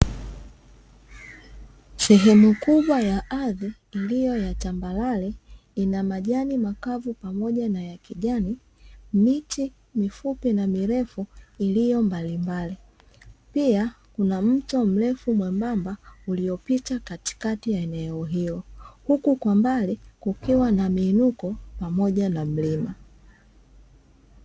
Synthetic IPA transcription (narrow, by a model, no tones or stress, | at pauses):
sɛɦɛmukuɓwajaʔaðiːlijɔjatambalalɛ | inamaʄanimakavupamɔʄanajakiʄani | miti | mifupinamiɾɛfuilijɔmbalimbali | pia | kunam̩tɔm̩lɛfumwɛmbambaulijɔpitakati̥katijaɛnɛɔɦijɔhukukwambalikukiwanamiːnukɔpamɔʄanam̩lima